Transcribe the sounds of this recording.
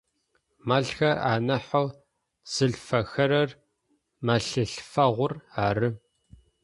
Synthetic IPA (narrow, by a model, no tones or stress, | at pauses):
mɐɮxɐra̰ːnɐħow | z̥ɨɮfɐxɐɾɐr | mɐɬɨɬfɐʁʷʊraːrɨ